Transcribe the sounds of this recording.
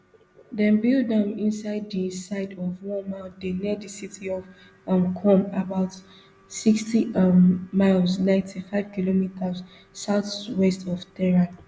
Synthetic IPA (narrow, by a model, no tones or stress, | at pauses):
dɛ̃nbilddãnĩnsaɪdːisaɪdɔvwɔ̃nmaɪdeniədisitiɔv | mkʰɔ̃mabaʊt | sikstiː | aɪlznãɪ̃ntʰifaɪv̥kilomitʰəz | saʊθwɛstɔvtɛɹã